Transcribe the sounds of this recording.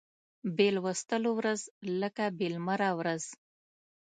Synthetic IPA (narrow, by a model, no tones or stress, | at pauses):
belwəst̪əlowɾazləkabelmaɾawɾaz̥